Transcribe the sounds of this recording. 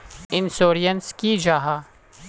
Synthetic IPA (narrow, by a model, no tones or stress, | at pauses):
ɪnsoːɾijənskid͡ʒaːɦaː